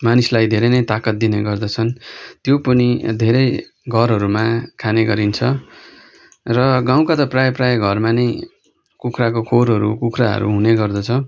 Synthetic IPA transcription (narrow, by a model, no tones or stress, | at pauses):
manislajd̪ʱeɾʌjnʌjt̪akʌt̪̚d̪ineɡʌrd̪ʌt͡sʰʌnt̪jopʌnid̪ʱeɾʌj | ɡʱʌɾɦʌɾumakʰaneɡʌɾint͡sʰʌ | rʌɡaw̃kat̪ʌprajprajʌɡʱʌrmanʌj | kukʰrakokʰoɾɦʌɾṵkukʰraɦʌ̰ɾṵɦuneɡʌrd̪ʌt͡sʰʌ